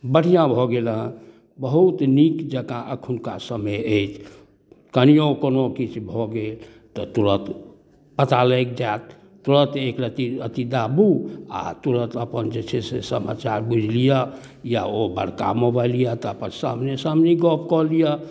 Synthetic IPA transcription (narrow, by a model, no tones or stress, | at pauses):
bəɽ̤ijãbʱɔɡelɦ | bəɦut̪nikd͡ʒəkãʔəkʰunka̰səməjəjt͡ʃʰ | kənijõkonokit͡ʃʰbʱɔɡel | t̪ɔt̪uɾət̪ | pət̪alək̚d͡ʒaːt̪̚ː | uɾət̪ekɾət̪iət̪id̪abua̰t̪uɾə̃t̪əpənd͡ʒet͡ʃʰesesəma̰t͡ʃaɾbid͡ʒlija | ja̰obə̰ɽ̤ka̰mobalijat̪ɔəpənsa̰mnesamneɡɔp̚kɔlija